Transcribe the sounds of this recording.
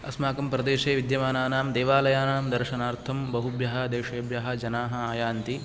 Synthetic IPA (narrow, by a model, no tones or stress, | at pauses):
ɐsmaːkɐmpɾɐd̪eːʃeːʋid̪jɐmaːnaːnaːmd̪eːʋaːlɐjaːnaːmd̪ɐɾʃɐnaːɾt̪ʰɐmbɐɦubjɐɦɐ̆d̪eːʂɐjɐbjaɦɐ̆d͡ʒɐnaːɦɐaːjaːnt̪i